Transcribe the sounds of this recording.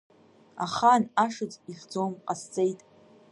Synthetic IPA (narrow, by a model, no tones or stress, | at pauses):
a̰χanaʂɨt͡sʼiħd͡zomqʼast͡sʼe̞jtʼ